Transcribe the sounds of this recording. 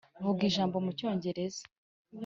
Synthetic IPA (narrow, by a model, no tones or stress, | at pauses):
vuɡiːʒaːmbo̞muco̞ːɲɟe̞ɾe̞zḁ